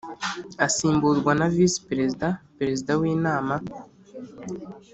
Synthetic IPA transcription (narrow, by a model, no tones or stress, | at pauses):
asiːmbuɾɡwanavispɾezidapeɾe̞zidawiːnaːma